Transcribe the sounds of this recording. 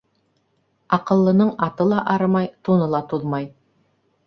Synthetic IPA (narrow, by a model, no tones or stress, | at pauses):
ɑqɤ̆lˠːɤ̆nɤɴɑt̪ɤlˠɑʔɑɾɤmɑjt̪unɤlˠɑt̪uðmɑj